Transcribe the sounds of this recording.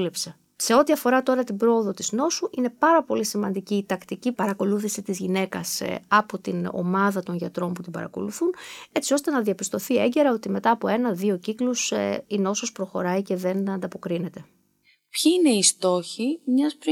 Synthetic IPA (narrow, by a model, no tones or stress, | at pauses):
lepse̞ | se̞o̞t̪iɐfo̞ɾɐt̪o̞ɾɐt̪ibɾo̞oðo̞t̪izno̞suʔine̞pɐɾɐpo̞lisimɐnd̪iciːt̪ɐkt̪icipɐɾɐko̞luθisit̪izʝine̞kɐsɐpot̪ino̰mɐðɐt̪o̞nʝɐt̪ɾo̞mput̪ibɐ̰ɾɐ̰ko̞̰luθune̞t͡sio̞st̪e̞nɐðiɐpist̪o̞θie̞ɲɟe̞ɾɐo̞t̪ime̞t̪ɐːpo̞e̞nɐðio̞ciklusino̞sospɾo̞xo̞ɾɐice̞ðe̞nɐnd̪ɐpo̞kɾine̞t̪e̞ | pçiine̞ist̪o̞çimɲɐspɾ